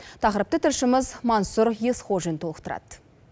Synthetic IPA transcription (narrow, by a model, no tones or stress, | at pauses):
t̪ʰɑqəɾəp̚t̪ət̪ʰɪɾʃɪməzmɑnsuɾje̞sχoʒənt̪ʰo̞lˠəqt̪əɾɑ̰d̪̥